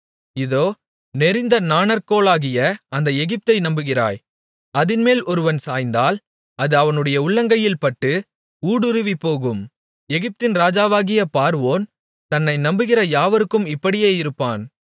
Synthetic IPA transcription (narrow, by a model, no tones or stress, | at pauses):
ɪðoː | nɛɾɪnd̪ɐnaːnɐɾkoːlaːɣɪjɐɐnd̪ɐɛɣɪp̚t̪ɐɪnɐmbɯɣɪra̰ːj | ɐðɪnmeːlʔɔɾɯʋɐnsaːjnd̪aːl | ɐðɯɐʋɐnɯɽɐjɐʊɭːɐŋɡɐjɪlpɐʈːɯ | uːɽʊɾɯʋipːoːɣɯm | ɛɣɪp̚t̪ɪnɾaːd͡ʒaːʋaːɣɪjɐpaːɾʋoːn | t̪ɐnːɐɪnɐmbɯɣɪrɐjaːʋɐɾɯkːɯmɪpːɐɽɪjeːɪɾɯpːaːn